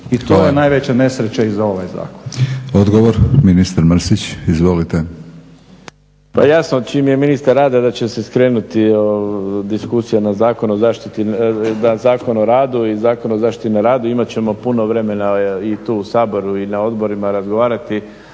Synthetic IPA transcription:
it̪oːjenajʋet͡ɕane̞sɾet͡ɕeizaoʋajza̰ːkonod̪ɡoʋoɾminist̪aɾmɾ̩sit͡ɕizʋolit̪e | pa̰jasnot͡ʃimje̞minist̪aɾːaːd̪ad̪at͡ɕe̞seskɾe̞ːnut̪iod̪iskusijanazaːko̞nuozaːʃt̪it̪inazaːko̞noɾaːd̪uizaːko̞nozaːʃt̪it̪inaɾaːd̪uimat͡ɕe̞mo̞puno̞ʋɾe̞me̞nait̪uːusaːbo̞ɾuinao̞d̪bo̞ɾimaɾazɡoʋaːɾat̪i

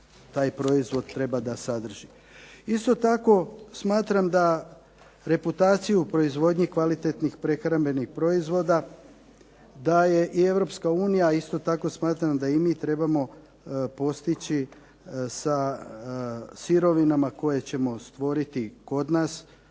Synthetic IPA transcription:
t̪aːjpɾo̞izʋo̞d̪̚t̪ːɾe̞bad̪asad̪r̩ʒ̥i | ist̪o̞t̪ako̞smaːt̪ɾamd̪a | ɾe̞put̪aːt̪sijupɾo̞izʋo̞d̪ɲikʋalit̪e̞t̪nixpɾe̞xɾambe̞nixpɾo̞izʋo̞d̪a | d̪aje̞ʔie̞ʋɾo̞pskauːnijaist̪o̞t̪ako̞smaːt̪ɾamd̪aimiːt̪ɾe̞bamo̞ | po̞st̪it͡ɕi | sa | siɾo̞ʋinamako̞je̞t͡ɕe̞mo̞st̪ʋo̞ɾit̪iko̞d̪naːs

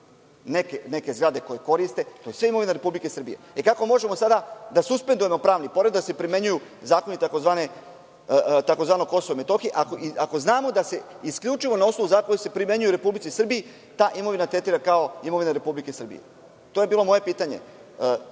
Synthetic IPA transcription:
ne̞kene̞ke̞zɡɾad̪e̞ko̞je̞ko̞ɾist̪e̞t̪ojesʋeimo̞ʋineɾe̞publikesr̩bije̞̰ikako̞mo̞ʒemosad̪ad̪asuspend̪uje̞mo̞pɾaːʋnipo̞ɾed̪d̪asepɾime̞ɲujuzaːko̞nit̪ako̞zʋaːne | t̪ako̞zʋaːnoko̞sooime̞t̪o̞xieʔakoiako̞znaːmo̞d̪ase̞ | iskʎʲut͡ʃiʋo̞naosnouzakojise̞pɾime̞ɲujuɾe̞publit̪sisr̩biji | t̪aːʔimo̞ʋinat̪ɾet̪iːɾakao̞imo̞ʋineɾe̞publike̞sr̩bḭjḛ | t̪oːje̞biːlo̞mo̞je̞piːt̪aɲe̞̰ə

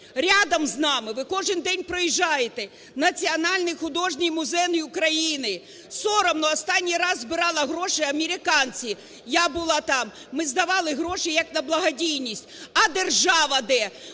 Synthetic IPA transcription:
ɾʲad̪ɐmznɑmɪʋɪkɔʒɪnd̪ɛnʲpɾɔjiʒːɑjet̪e | nɐt͡sʲiɔnɑlʲnɪjxʊd̪ɔʒnʲijmʊzɛjnɪjʊkɾɐjinɪ | sɔɾɐmnɐɔst̪ɑnʲːijɾɑzzbɪɾɑlˠɐɦɾɔʃɪjɐmʲeɾʲɪkɑnt͡sʲi | jabʊlˠɑt̪ɑmːɪzd̪ɐʋɑlˠɪɦɾɔʃejɐknɐblˠɐɦɐdʲijnʲisʲtʲɐd̪erʒɑʋɐd̪ɛ

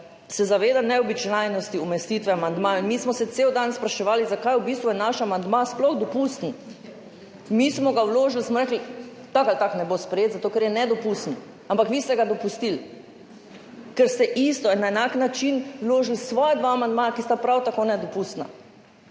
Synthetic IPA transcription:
sɛzaʋeːd̪anɛɔbit͡ʃnajnɔst̪iumɛst̪iːt̪ʋɛamand̪majinmismɔsɛt̪seːwd̪anspɾaʃɛʋaːlizakajubist̪ʋujɛnaʃamand̪masplɔxd̪ɔpust̪n̩ | mismɔɡawloːʒilsmɔɾɛkli | t̪akalt̪aknɛbospɾɛjet̪zat̪okɛɾjɛnɛd̪ɔpust̪n̩ | ampakʋiːst̪ɛɡad̪ɔpust̪il | kɛɾst̪ɛʔist̪ɔɛnaɛnaknat͡ʃinwloːʒilsʋɔːjɛd̪ʋaːmand̪̚maːjakist̪apɾawt̪akonɛd̪ɔpust̪na̰

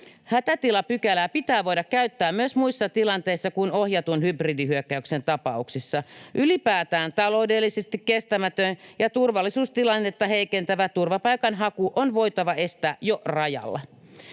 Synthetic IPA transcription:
hæt̪æt̪ilɑpykælæpit̪æːʋoidɑkkæyt̪ːæːmmyøsmuisːɑt̪ilɑnt̪eisːɑkunohjɑt̪unhybridihyøkːæyksent̪ɑpɑuksisːɑʔylipæːt̪æːnt̪ɑlo̞udelːisest̪ikkest̪æmæt̪ønjɑt̪urʋɑlːisuːst̪ilɑnːet̪ːɑheikent̪æʋæt̪urʋɑpɑikɑnɦɑkuʔonʋo̞it̪ɑʋɑe̞st̪æːjorɑjɑ̰lːɑ̰

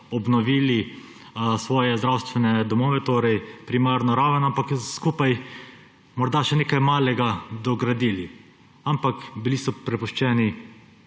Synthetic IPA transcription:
ɔbnɔʋiːli | sʋɔːjɛzd̪ɾawst̪ʋɛnɛd̪ɔmɔːʋɛt̪oːɾɛjpɾimaɾnɔɾaːʋənampakskuːpaj | mɔɾd̪aʃɛneːkajmaːlɛɡad̪ɔɡɾad̪iːli | ampakbilisɔpɾɛpuʃt͡ʃɛːni

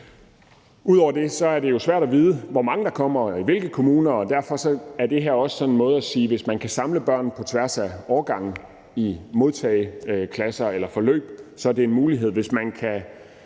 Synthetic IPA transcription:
uð̞̰ˠɒ̰ʊɐd̥e̝sɒ̽æɐd̥e̝jo̝sʋæɐ̰ɾ̥æʋiːð̞ˠəʋɒmɑ̈ŋəd̥ɑ̈kʰɒ̽m̰ɐiʋe̝lɡ̥ðkʰo̝muːnɐɒ̽d̥æɐ̰fɒ̽sɒ̽æɐd̥e̝ɦeɐ̰ɒ̽sə̥sɒ̽nenmɔ̽ːð̞̩ˠæsiːʋe̝smænkʰæsɑ̈mləb̥ɶɐ̰n̩pʰɒ̽t͡sʰʋæɐ̰sæɒːɐɡ̥ɑ̈ŋ̰n̩ | imo̝ð̞ˠt͡sʰɛ̰ːɪkʰlæsɐelɐfɒ̽lø̰ːb̥sɒ̽ɐd̥e̝e̝nmuːliɦe̝ð̞̰ˠʋe̝smænkʰæ

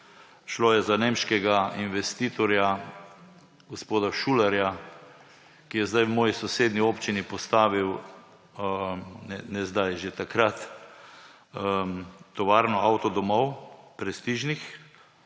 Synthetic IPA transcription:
ʃloːjɛzaneːmʃkɛɡainʋɛst̪iːt̪ɔɾja | ɡospoːd̪aʃuːlaɾja | kijɛzd̪ajwmɔːjisɔseːd̪nioːpt͡ʃinipɔst̪aːʋiw | nɛnɛzd̪ajʒet̪akɾat̪ | ət̪ɔʋaːɾnɔawt̪ɔd̪ɔmɔwpɾɛst̪iːʒnix

